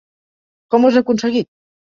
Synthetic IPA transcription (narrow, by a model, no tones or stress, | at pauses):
kɔmozakunseɣit̪̚